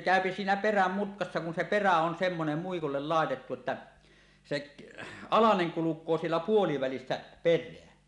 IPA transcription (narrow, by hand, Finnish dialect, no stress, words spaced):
kæˑøpi siːnæ peræm mutkɑsːɑ kun se peræ on semːonem muikulːel lɑˑetetːu ĕtːæ sek ɑlɑneŋ kulukˑoː sielːæ puoliʋælisːæ perˑeæ